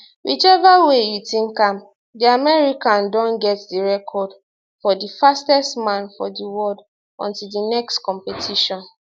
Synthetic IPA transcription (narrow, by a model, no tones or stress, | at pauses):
wʔit͡ʃɛvaweitĩnkãm | diamɛɹikãndɔ̃nɡɛtdiɹɛkʰɔd | fɔdifastɛstmãnfɔ̰diwɔld | ɔ̰̃ntildinɛkstkɔ̃mpɛtʰiʃɔ̃n